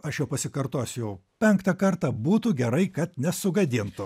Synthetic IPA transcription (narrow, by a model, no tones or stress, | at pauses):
ɐʃjɛʊpɐsʲɪkɐɾt̪oːsʲʊjɛʊpʲɛŋkt̪ɐkɐrt̪ɐbuːt̪ʊɡʲɛɾɐɪkɐt̪nʲɛsʊɡɐd̪ʲɪnt̪ʊ